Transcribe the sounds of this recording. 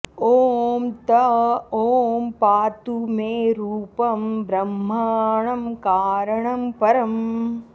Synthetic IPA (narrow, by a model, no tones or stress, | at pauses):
oːmt̪ɐoːmpaːt̪umeːɾuːpɐmbɾɐmːaːɳɐmkaːɾɐɳɐmpɐɾɐm